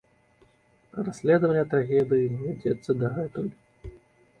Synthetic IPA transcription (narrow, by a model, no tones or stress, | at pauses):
rasʲlʲɛd̪əvɐnʲːɐt̪ɾaɣʲɛd̪ɨjinvʲad͡zʲɛt̪sːɐd̪ɐɦɛt̪ulʲ